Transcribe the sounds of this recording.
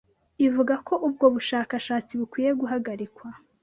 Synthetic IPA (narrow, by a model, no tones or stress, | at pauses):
ivuɡako̞ʔub̚ɡo̞βuʃaːkaʃaːt͡siβukwiːje̞ɡuɦaɡaɾikwa